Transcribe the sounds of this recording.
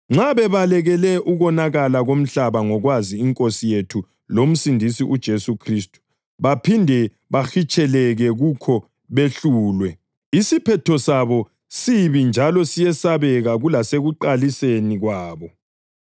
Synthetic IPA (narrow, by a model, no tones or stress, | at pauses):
ŋ͡ǁaβɛβalɛɣɛlɛʔuɣɔnaɣalaɣom̩ɬaβaŋɔɣwaziːŋkʼosijetʰu | lom̩sindʱisiʔud̥ʒ̥ʱesukʰristʼu̥ | βapʰindʱɛ | βaxit͡ʃʼɛlɛɣɛɣukʰɔ | βeɬuːlwɛ | isipʰɛtʰɔsaβɔ | siβind͡ʒʱalɔsijɛsaβɛɣaɣulaseɣuǃaliseniɣwaːβɔ